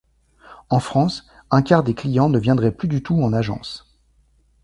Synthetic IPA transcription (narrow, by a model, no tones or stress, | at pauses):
ɑ̃fχɑ̃s | ɛ̃kʲaʁd̪eklijɑ̃nəvjɛ̃d̪ʁɛplyd̪yt̪uɑ̃naʒɑ̰̃s